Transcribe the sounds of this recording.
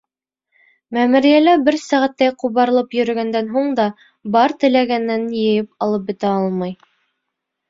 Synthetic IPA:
mæmuɾijælæbɘɾsæʁæt̪ːæjquβɑɾɤ̆lˠɤpjɵ̆ɾɵ̆ɡænd̪ænɦuɴd̪ɑ | bɑɾt̪ɘ̆læɡænːænjɘ̆jɘp̚ɑlˠɤp̚bɘ̆t̪æɑlˠmɑj

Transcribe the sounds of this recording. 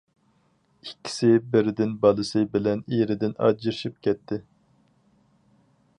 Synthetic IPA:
ikʲːi̥sɪbɪɾɪd̪ɪnbɑlˠɨsɨbɪlɛniɾɪd̪ɪnɑ̰d͡ʒiɾʃip̚kʲʰɛt̪ʰːɪ

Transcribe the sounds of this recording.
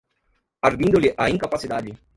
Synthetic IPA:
aɾd̪ind̪oliʔaiŋkapasit̪ad͡ʒi

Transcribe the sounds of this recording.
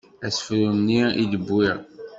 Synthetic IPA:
æsfɾunːiid̪əbːiʁ

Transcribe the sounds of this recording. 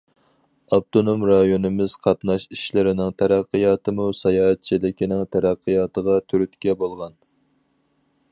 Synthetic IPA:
ɑb̚t̪ʰonomɾɑjonɨmɪz̥qʰɑt̪nɑʃiʃlɪɾɪnɪŋt̪ʰæɾæqːəjɑːt̪ʰɨmusɑjɑːɛt̪̚t͡ʃʰilɪkʲʰinɪŋt̪ʰæɾæqʰːəjɑːt̪ʰəʁɑt̪ʰyɾyt̪kʲɛbolˠʁɑn

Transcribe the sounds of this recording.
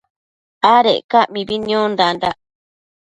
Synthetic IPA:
aɾeʔkamĩbiɲõnd̪and̪aʔ

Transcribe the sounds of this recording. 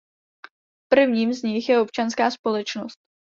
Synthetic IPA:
pr̩vɲiːmzɲɪxjɛo̞pt͡ʃanskaːspo̞lɛt͡ʃno̞st̪̚

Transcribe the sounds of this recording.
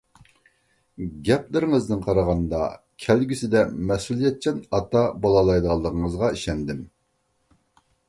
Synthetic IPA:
ɡʲɛplɪɾɪŋɨznɨnqʰɑɾɑʁɑnd̪ɑ̰ | kʲʰɛlɡʲisɪd̪ɛmɛsulˠijɛt̪̚t͡ʃʰɛnɑt̪ʰɑbolˠɑlˠɑjd̪əʁɑlˠːəʁəŋəzʁɑiʃɛnd̪ɪm

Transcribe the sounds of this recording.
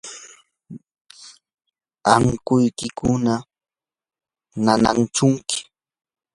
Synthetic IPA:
aŋkʊjkɪkʊna | nana̰ŋt͡ʃʊŋkɪ̥

